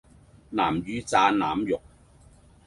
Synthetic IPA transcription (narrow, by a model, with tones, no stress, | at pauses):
naː˨˩mjyː˨˧t͡saː˧naː˨mjʊ˨k̚